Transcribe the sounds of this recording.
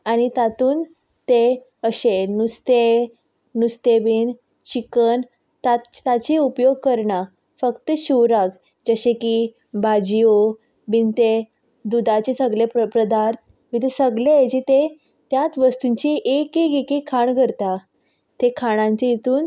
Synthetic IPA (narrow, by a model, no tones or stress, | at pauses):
añit̪at̪uːn | t̪e | əɕenust̪e | nust̪ebiːn | t͡ɕikən | t̪at̪at͡ɕiupjoɡ̚kəɾɳa | fəkt̪əɕuwɾaɡ | d͡ʑəɕeki | bad͡ʑio | bint̪e | d̪ud̪at͡ɕesəɡlepəpɾəd̪aɾt̪̚ʰ | ʋit̪esəɡleed͡ʑit̪e | t̪jat̪ʋəst̪uɲt͡ɕiʔekeɡikikʰaɳɡʱəɾt̪a | t̪ekʰaɽ̃ãɲt͡ɕeit̪uːn